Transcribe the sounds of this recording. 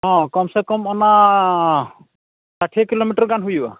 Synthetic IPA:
ɦɔ̃kɔmsɛkɔmɔna | saʈʰekilomiʈɔɾɡanɦujba̰

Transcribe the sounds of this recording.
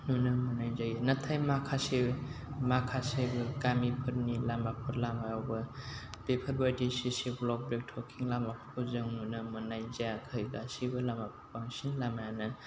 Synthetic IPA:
nunɐmɯnajzajinatʰajmakʰase | makʰasebɯkamipʰɯɾnilamapʰɯɾlamajawbɐb̥epʰɐɾbadisisiblɔk̚bɾek̚tʰɔkʰiŋlamapʰkʰuzɯŋnunɐmɐnajzajakʰɯjɡasibɯlamapʰɯ̥ɾpaŋsinlamajanɯn

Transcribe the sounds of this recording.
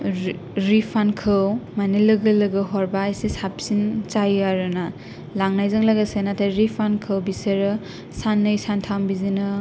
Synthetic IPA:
ɾipʰankʰɯwmanilɯɡɯlɯɡɯɦɔɾbajsisap̚sint͡ʃajaɾɯna | laŋnajzɯŋlaɡasenatʰaɾipʰankʰɯwbiseɾɯ | sanːɯjsantʰawmbizinɯ

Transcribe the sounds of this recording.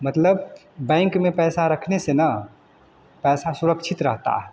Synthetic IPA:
mət̪ləb | bɛ̃ŋkmẽpɛːsaɾəkʰnesenə | pɛːsasuɾəkt͡ʃʰit̪ɾə̰ɦt̪a̰ɦ

